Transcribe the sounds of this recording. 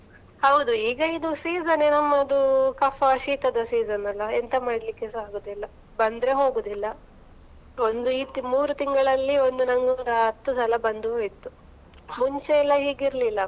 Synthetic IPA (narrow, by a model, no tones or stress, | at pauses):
hɐwd̪uiːɡɐid̪usiːzɐnenɐmːɐːd̪ukɐfɐɐʃiːt̪ɐd̪ɐsiːzɐnɐlːɐent̪ɐmaːɽlikːesaːɡoːd̪ilːɐ | bɐnd̪ɾeɦo̞ːɡuːd̪ilːɐ | o̞nd̪uiːt̪imuːɾut̪iŋɡɐɭɐlːio̞nd̪unɐŋɡund̪ɐɐt̪ːusɐlɐbɐnd̪uoit̪ːu | muɲt͡ʃeɛlːɐɦiːɡiɾlilːɐ